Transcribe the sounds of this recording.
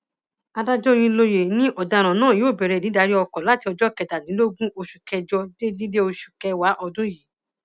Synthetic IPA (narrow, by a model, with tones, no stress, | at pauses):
a˧da˦d͡ʒɔ˦˧j̃ĩ˧lo˧je˨nĩ˦ʔɔ˨da˧˨ɾ̃ã˨nãː˦˨joː˦˨bɛ˨ɾɛ˨˧˨i˨˦da˧ɾi˦ɔ˧kɔ˨la˨˦ti˧ɔ˧d͡ʒɔ˦kɛ˧˨da˨nĩ˨˦lo˦ɡũ˦ʔo˧ʃu̥˨kɛ˧d͡ʒɔ˧de˦di˦de˦o˧ʃu̥˨kɛ˧wa˨˦ʔɔ˧dũ˦je˨˦